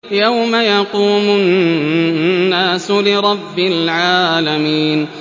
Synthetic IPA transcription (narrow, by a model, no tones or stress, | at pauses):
jawmajɑquːmʊn | aːsʊlɪɾˤɑbːɪlʕaːlamiːn